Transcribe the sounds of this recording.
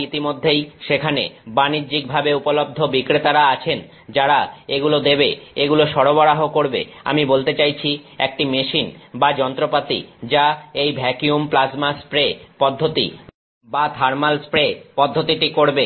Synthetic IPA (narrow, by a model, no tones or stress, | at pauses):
it̪imod̪ʱːejʃekʰanḛbanid͡ʑik̚bʱabeupolob̚d̪ʱobikɾet̪aɾaat͡ɕʰen | d͡ʑaɾaeɡulod̪ebeeɡuloʃɔɽoβɔɽaɦokoɾbḛ | a̰mibolt̪et͡ɕajt͡ɕʰiek̚ʈimeʃinbad͡ʑɔnt̪ɾopat̪ḭd͡ʑaejbʱɛkiumplasmaspɾepɔd̪ʱːot̪ḭ | bat̪ʰaɾmalspɾepɔd̪ʱːot̪iʈikoɾbe